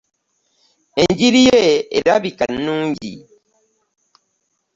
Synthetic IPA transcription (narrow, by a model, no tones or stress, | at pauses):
eɲd͡ʒiɾijɛeɾaβikannũŋɟḭ